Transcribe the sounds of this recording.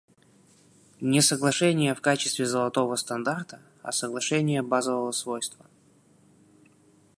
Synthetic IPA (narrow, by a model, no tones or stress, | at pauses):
nʲɪsəɡlˠɐʂɛnʲɪjəfkat͡ɕɪst̪vʲɪzəlˠɐt̪o̞vəst̪ɐnd̪art̪ə | ɐ̰səɡlˠɐʂɛnʲɪjəbazəvəvəsvojst̪və